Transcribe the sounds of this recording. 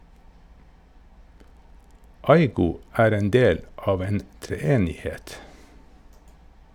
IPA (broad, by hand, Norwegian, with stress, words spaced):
ˈɑɪɡʊ ˈæːɾ ˈeːn ˈdeːl ˈɑːʋ ˈeːn tɾɛˈeːnɪˌhɛt